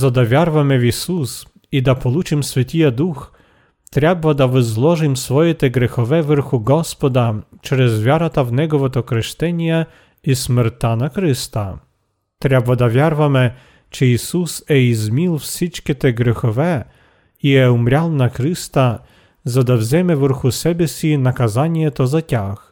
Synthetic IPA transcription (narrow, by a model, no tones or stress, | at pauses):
zad̪avʲjaɾvamɛvʲisus | id̪apɔlut͡ʃimsʲfʲɛt̪ʲijad̪ux | t̪ɾʲɛbvad̪avɛzlˠɔʐɨmsfɔjɛt̪ɛɡɾɛxɔvɛvɛɾxuɡɔspɔd̪at͡ʃɛɾɛzvʲjaɾat̪avnɛɡɔvɔt̪ɔkɾɛʃt̪ɛɲʲja | ismɛɾt̪anakɾɪst̪a | t̪ɾʲɛbvad̪avʲjaɾvamɛ | t͡ʃɛisusɛizmʲilˠfsʲit͡ʃkʲɛt̪ɛɡɾɛxɔvɛ | ijɛumɾʲalˠnakɾɪst̪a | zad̪awzʲɛmɛvɛɾxusɛbʲɛsʲinakazanʲjɛt̪ɔzatʲax